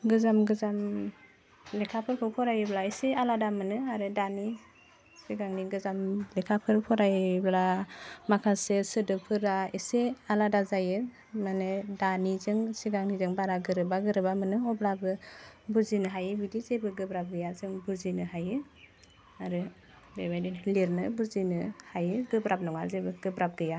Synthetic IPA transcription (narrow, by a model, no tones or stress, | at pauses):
ɡɯzamɡɯzam | lekʰapʰɯɾpʰɯpʰɔɾajɯblaesealadamɯnɯaɾɯdani | siɡaŋniɡɯzamlekʰapʰɯɾpʰɔɾajblamakʰasesɯdɯpʰɯɾaesealadazajɯ | manedanizɯŋsiɡaŋnizɯŋbaɾaɡɯɾɯbaɡɯɾɯbamɯnɯɔblabɯbuzinɯɦajɯbidizebɯɡɯbɾap̚ɡɯjazɯŋbuzinɯɦajɯ | aɾɯ | bebajdinliɾnɯbuzinɯhajɯɡɯbɾap̚nɔŋazebɯɡɯbɾap̚ɡɯja